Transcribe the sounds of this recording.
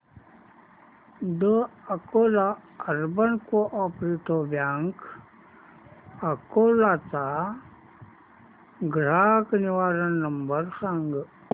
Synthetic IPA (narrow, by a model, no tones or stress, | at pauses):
d̪əɐkoːlaɐɾbənkoʔaːpɾiʈ̪oːbjaːŋk | ɐkoːlaːt͡sa | ɡɾaːkniʋaːɾənːɐmbəɾsaŋɡ